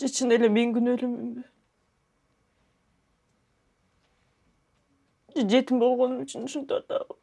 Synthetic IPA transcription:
d͡ʒet͡ʃʰɯnelemeŋɡynølymimb | d͡ʒed͡ʒe̞t̪imbo̞lˠʁo̞numyt͡ʃʰynuʃunt̪ot̪ɑ̰

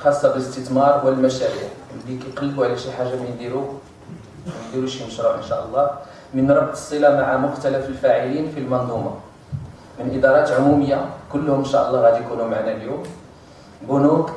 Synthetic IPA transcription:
xɑsˤːɑbələst̪ət̪mɑɾˤwəlmæʃæɾiʕmd̪ikiqɑlːbuʕlæʃiħaʒːamnd̪iɾu | mənd̪iɾuʃiməʃɾˤuʕənʃæʔəlˤːɑ | mənɾˤɑbt̪ˤə̥sˤːilamaʕamʊxt̪æləfəlfæʕilinfilmɑnd̪ˤumɑ̰ | mənʔəd̪ɑɾˤɑt̪ʕʊmuməjːakʊlːhʊmənʃæʔəlˤːɑɣæd̪jkunumaʕnæljum | bʊnut̪

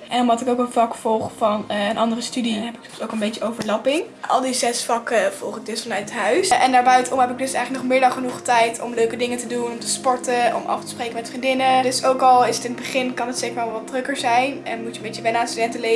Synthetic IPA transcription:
ʔɛnɔmdɑtɪkowkənvɑkfɔlˠχfɑnənʔɑndərəstydiəɦɛpɪkɔsowkənmbejtəowvəɹlɑpɪŋ | ʔɑ̰lˠdizɛsfɑkəv̥ɔlˠχədɪsflnœɥətɦœɥsʔɛndaːɹbœɥtəɔmɦɛpɪɡ̚dɵsɛjxχləknɔχmɪːɹdɑnχənuχtɛjtʰɔmløɥkədɪŋətədunɔmtəspɔɹtəʔɔ̰mʔɑ̰ftə̥sprejkəmɛtfrindɪnədɵsowkɑlˠɪsətɪnədbəχɪnkɑnətseːkəɹʋɛlˠʋɑtdrɵkəɹzɛjnɛ̰nmutəmbejtəʋɛnaːnstydɛntəle

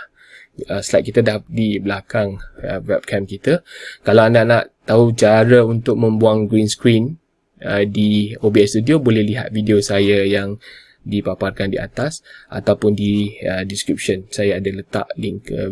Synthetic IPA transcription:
əslat̪̚kit̪adahdiblakaŋ̰vɛp̚kʰɛ̃mkit̪əkalawandaʔnaʔt̪aut͡ʃaɾəunt̪ʊk̚mə̃mbuaŋɡɾinskɾin | ədiobiɛst̪udiobolɛhliɦa̰t̪̚vidiosajajaŋ | dipaparkandiʔa̰t̪asʔa̰t̪awpʊndiədiskɾip̚ʃənsajaːdalət̪a̰ʔliŋkə̰

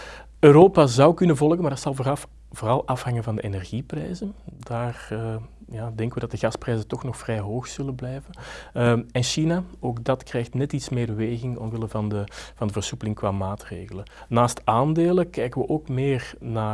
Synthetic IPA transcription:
øːɾoːpazɑwkɵnənvɔlˠɣənmardɑtsɑlˠvoːrɑf | voːrɑlˠʔɑfhɑŋənvɑndəenɛrɣiprɛjzənd̥aːrəjaːdɛŋkəʋədɑt̚dəɣɑsprɛjzətɔxnɔxfrɛjɦoːxz̥ɵlənblɛjvən | ɛnʃinaoːɡdɑtkrɛːjxtnɛtitsmeːrbəʋeːɣɪŋɔ̰mʋɪləvɑndəv̥ɑndəvərsupəlɪŋkwaːmaːtreːɣələnnaːstaːndeːləkɛjkəʋəʔoːkmeːrnaː

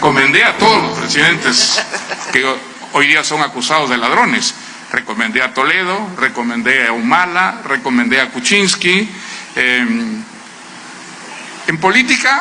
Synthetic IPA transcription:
komẽnd̪eat̪oðolospɾesiðẽnt̪eske | ojðiasoŋakusaozðelað̞ɾones | rekomẽnd̪eat̪oleðorekomẽnd̪eawmalarekomẽnd̪eakut͡ʃinskiem | empolit̪ika

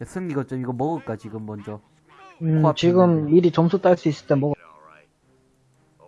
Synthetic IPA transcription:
es͈ʰɯŋɲiɡʌt͡ɕ͈omiɡʌmʌɡɯɭk͈at͡ɕiɡɯmːʌnd͡ʑʌ | ɯt͡ɕiɡɯmːiɾit͡ɕʌmsʰut͈aɭs͈uis͈ɯɭt͈enmʌɡ

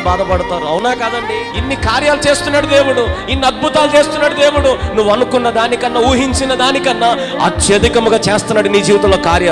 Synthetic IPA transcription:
baːd̪ɐpɐɽut̪aːɾuɐwunaːkaːd̪ɐɳɖi | inːikaːɾjaːlut͡ʃe̞ːst̪unːaːɽud̪e̞ːwuɽuinːiɐd̪̚bʱut̪aːlut͡ʃe̞ːst̪unːaːɽud̪eːʋuɽunuʋːɐnukunːɐd̪aːnikɐnːɐuːɦiɲt͡ʃinɐd̪aːnikɐnːɐ | ɐ̰t̪jɐd̪ikɐmuɡaːt͡ʃeːst̪unːɐɽinid͡ʒiːʋt̪ɐloːkaːɾjɐ

